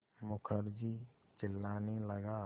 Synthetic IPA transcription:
mʊkʰəɾd͡ʒi | t͡ʃɪlːaːniləɡaː

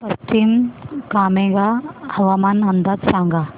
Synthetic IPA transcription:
pɐst̪imkaːmẽɡahɐʋamanɐnd̪ɐd̪sãːŋɡa

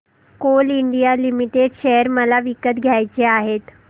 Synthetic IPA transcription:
koːliɳɖijalimiʈeɖʃeɦəɾməlaʋikət̪ɡʱjajt͡ɕeaːɦeːt̪

